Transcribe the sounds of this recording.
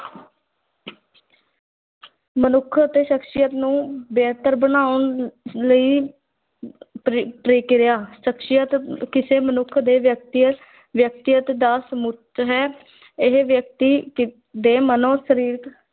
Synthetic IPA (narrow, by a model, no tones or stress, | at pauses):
mənʊkʰət̪eːʃəkʃɪjət̪nũːbeːt̪əɾbənaːʊɳləiː | pɾeːkɪɾjaːʃəkʃɪjət̪kɪseːmənʊkʰd̪eːʋjək̚t̪ | ʋjək̚t̪ɪjət̪d̪aːsmʊtɦɛː | ɪɦʋjək̚t̪iː | d̪eːmənõːʃəɾiːɾk̪